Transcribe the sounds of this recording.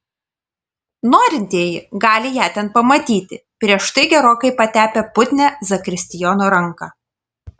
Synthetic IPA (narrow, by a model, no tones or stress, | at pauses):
noːɾʲɪnʲt̪ʲiːjɪɡɑːlʲɪjæːt̪ʲɛnpɐmɐt̪ʲiːt̪ʲɪpʲɾʲiɛʃt̪ɐɪɡʲɛɾoːkɐɪpɐt̪ʲæːpʲɛpʊt̪ʲnʲæzɐkɾʲɪsʲt̪ʲɪjɔnoɾɐŋkɑː